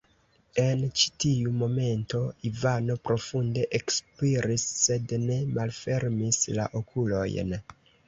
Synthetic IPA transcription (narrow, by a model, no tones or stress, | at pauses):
e̞nt͡ʃi̥tiumo̞me̞nto̞ivano̞pɾo̞funde̞ʔekspiɾisːe̞dne̞malfe̞ɾmisla̰ʔo̞kʰulo̞̰jn